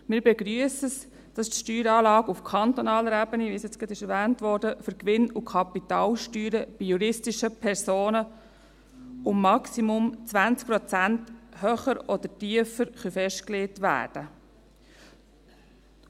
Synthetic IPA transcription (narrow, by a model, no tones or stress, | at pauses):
mɪːɾbɛɡɾyəsəs | d̥ɑstʃtyːɾɑːlɑːɡufkʰɑnt̪ɔnɑːləɾæbənivisjɛt͡sɡ̥ɾɑdɪʃɛɾʋæːntʋɔɾdəfʏɾkʋɪnukʰɑpitɑːlʃtyːɾəb̥ijuɾɪstiʃəpʰɛɾsoːnə | ʊmːɑksimʊmt͡svænt͡sk̚pɾɔt͡sænthœχəɾɔd̪ətiəfəɾχyfɛʃtkleːtvæ̰ːrd̥ə